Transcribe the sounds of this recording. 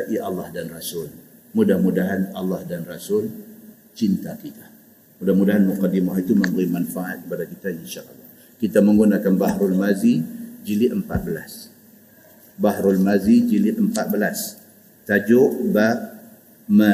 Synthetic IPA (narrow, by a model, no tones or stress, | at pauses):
aʔiʔɑlːɑhdanrasʊlmudahmudaɦanɑlːɑhdanrasʊl | t͡ʃint̪akit̪ḁ | mudahmudaɦanmuqadimaɦit̪uməmbəɾimanfaʔa̰t̪̚kəpadakit̪ainʃaʔɑlːɑh | kit̪amə̃ŋɡunakanbahɾulmazid͡ʒilɪəmpa̰t̪̚bəla̰s | bahɾulmazid͡ʒilɪʔ̪əmpat̪̚bəlas | t̪ad͡ʒʊʔba | mə